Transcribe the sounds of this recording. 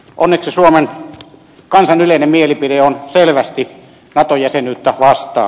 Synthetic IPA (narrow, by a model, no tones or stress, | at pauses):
ʔonːeksisuomen | kɑnsɑnyleˑinemmielipideonselʋæst̪i | nɑt̪ojæsenyːt̪ːæʋɑst̪ˑɑ̰ː